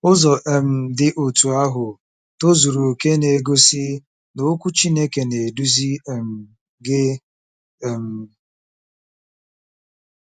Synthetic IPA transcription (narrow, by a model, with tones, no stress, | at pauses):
ʊ˦zɔ˨ʔe˨m̩˨dɪ˦ʔo˨tu˨a˦ɦʊ˨ | to˦zu˨ɾo˨ke˦ne˨ɡo˦sɪ˦ | no˨˦kʷu˦t͡ʃi˦ne˦ke˨ne˨du˦zi˦˨m̩˨ | ɡɪ˦˨ | m̩˨˦